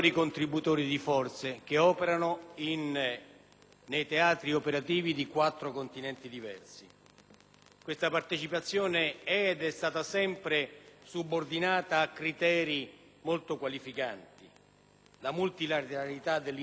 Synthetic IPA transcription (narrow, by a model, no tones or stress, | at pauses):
ɾikont̪ɾibut̪oːɾid̪ifɔrt̪sek̟eɔːpeɾanʊin | ejt̪eaːt̪ɾiopeɾat̪iːvid̪ikwat̪ːɾokont̪inɛnt̪id̪ivɛ̰rsi | kwest̪apart̪et͡ʃipat̪sːjɔːneɛːd̪ɛst̪aːt̪asɛmpɾesubːord̪inaːt̪aːkːɾit̪ɛːɾi | molt̪ʊkwalifikant̪i | lamult̪ilat̪eɾalit̪ad̪ːelː